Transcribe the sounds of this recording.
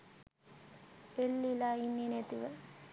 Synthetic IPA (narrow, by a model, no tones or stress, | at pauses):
elːilaːinːinet̪iʋə